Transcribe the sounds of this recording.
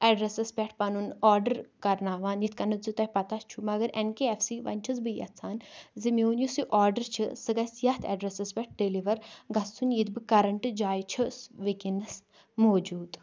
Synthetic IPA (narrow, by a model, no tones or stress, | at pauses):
ɛɖɾesɐspʲɛʈ̚ʰpɐnunɔːɾɖəɾkɐɾnaːʋaːnjit̪̚ʰkɐnɨzɨt̪ɐjpɐt̪ast͡ʃʰumɐɡɐɾʔenkeefsiʋɐ̰nʲt͡ʃʰɐzbɨjɐ̰t̪t͡sʰaːnzimewnjusiʔaːɾɖəɾt͡ʃʰɨsɨɡɐsjɐt̪ʰɛ̰ɖɾesɐspʲɛʈ̚ɖeliʋɐɾɡɐssʰunjit̪bɨkɐɾɐɳʈɨd͡ʒaːjt͡ʃʰɐsʋikinɐs | moːd͡ʒuːd̪